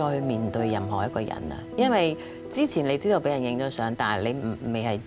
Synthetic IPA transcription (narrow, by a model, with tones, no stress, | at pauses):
ɔː˧hmiː˨nt̪ɵ˧ɥjɐ˨mɦɔː˨˩jɐ˥t̚kɔː˧jɐ̰˨˩nɐ̰˧jɐ˥nwɐ˨j | t͡siː˥t͡sʰiː˨˩nle˨˧jt͡siː˥t̪o˧wpe˨˥jɐ˨˩njɪ˧ŋt͡sɔː˨˧sœː˨˥ŋt̪aː˨˩le˨˧jm̩˨˩˨me˨jɦɐ˨j